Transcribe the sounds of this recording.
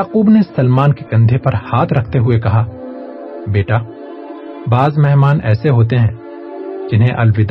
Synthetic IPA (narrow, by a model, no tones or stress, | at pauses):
aːquːbnesɐlmaːnkeɡɐ̃nd̪ʱepɐɾhaːt̪ʰɾɐkʰt̪eɦʊekɐɦaː | beːʈaː | baːzmɛɦmaːnɛ̰ːseɦoːt̪̬eɦɛ̃ː | d͡ʒɪnɦẽʔɐlwɪd̪